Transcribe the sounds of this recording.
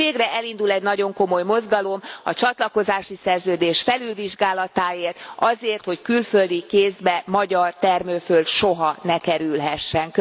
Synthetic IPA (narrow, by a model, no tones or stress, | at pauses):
eːɡrɛʔɛlind̪ulɛɟnɒɟo̞ŋko̞mo̞jmo̞zɡɒlo̞mɒt͡ʃɒt̪lɒko̞zaːʃisɛrzøːd̪eːʃfɛlylviʒɡaːlɒt̪aːeːrt̪ɒzeːrt̪ho̞ckylføld̪ikeːzbɛmɒɟɒrt̪ɛrmøːfølʃoɦɒnɛkɛɾylɦɛʃːɛŋk